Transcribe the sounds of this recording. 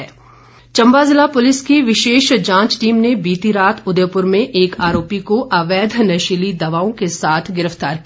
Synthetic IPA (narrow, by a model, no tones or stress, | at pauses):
ɛː | t͡ʃɐ̃mbazɪlapʊlɪskiʋɪʃeːʃd͡ʒãːt͡ʃʈiːmnebiːt̪iɾaːt̪ʰʊd̪jəpʊɾmẽʔeːkaːɾoːpikoʔaʋɛːd̪ʱnɐʃɪlid̪ɐʋaːõkesaːt̪ʰɡɪɾəft̪aːɾk